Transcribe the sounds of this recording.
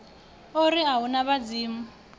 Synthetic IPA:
oɾiɦaɦunaβad͡ziːmu

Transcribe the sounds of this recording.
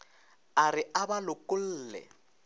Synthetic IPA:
arɪʔabalʊkʊl̩ːlɛ̰

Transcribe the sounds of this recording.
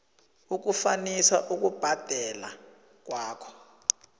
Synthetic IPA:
uk̬ufaniswaʔuk̬ub̥ʱad̥ʱɛla̰ | k̬waːkʰɔ̥

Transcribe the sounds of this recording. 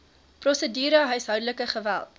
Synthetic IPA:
prɔsədiːɾəɦəɥsɦœwdələkəχəvæ̰lˠt

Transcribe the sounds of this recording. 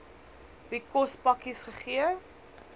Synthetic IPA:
vikɔspɐkisχəχiə

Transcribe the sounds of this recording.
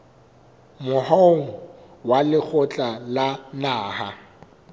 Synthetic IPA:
mʊɦɔŋ̩ | walɪk͡xɔt͡ɬʼalanaːha

